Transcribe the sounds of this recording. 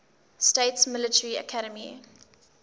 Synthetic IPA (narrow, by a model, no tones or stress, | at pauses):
steɪtsmɪlətʰəɹiə̰kʰaɾəmḭ